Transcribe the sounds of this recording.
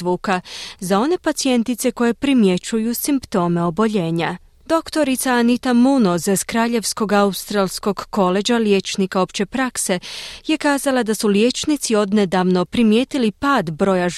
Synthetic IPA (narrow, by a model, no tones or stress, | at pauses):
uːkazao̞ne̞pat̪sie̞nt̪it̪se̞ko̞je̞pɾimje̞t͡ʃujusimpt̪o̞me̞o̞bo̞ʎe̞ːɲa | d̪o̞kt̪o̞ɾit̪saːnit̪amuno̞ziz̥kɾaːʎe̞ʋsko̞ɡaust̪ɾalˠsko̞ɡːo̞le̞d͡ʒalje̞t͡ʃnikao̞pt͡ɕe̞pɾakse̞je̞kaːzalad̪asulje̞t͡ʃnit̪sio̞d̪ne̞d̪aʋno̞pɾimje̞ːt̪ilipaːd̪bɾo̞ːjaʒ